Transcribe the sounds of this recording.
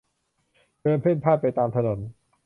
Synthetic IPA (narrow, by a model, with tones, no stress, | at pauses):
kɤː˧npʰe˥˩npʰaː˥˩t̪̚pa˧jt̪aː˧mt̪ʰa˧no˩˦n